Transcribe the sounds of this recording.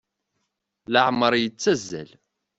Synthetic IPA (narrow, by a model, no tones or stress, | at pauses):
ləʕməɾˤjət͡sːæzːæ̰l